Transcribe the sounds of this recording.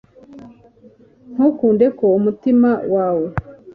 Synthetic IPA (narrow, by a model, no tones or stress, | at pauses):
n̥hukuːndekoumutimawaːwe